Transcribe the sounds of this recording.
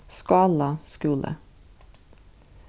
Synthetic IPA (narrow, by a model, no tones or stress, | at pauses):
skɑːlɑskʉːlʔə̰